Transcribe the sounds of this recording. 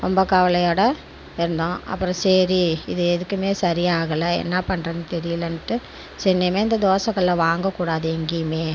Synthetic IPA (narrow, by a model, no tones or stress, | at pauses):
ɾɔmbɐkɐʋɐlɐjoːɽɐ | ɪɾɯnd̪õːɐ̰pːɯɾɔ̃sɛɾiɪðɯɛðɯkːɯmeːsɐɾɪjaːɣɐlɐɛ̰nːɐpɐɳːɾɐnɯt̪ɛɾɪjɯlɐnʈːɯ | sɛnːemeːɪnd̪ɐd̪oːsɐŋːɐɭlɐʋaːŋɡɐkːuːɽaːðɯɛŋɡɪjɯmeː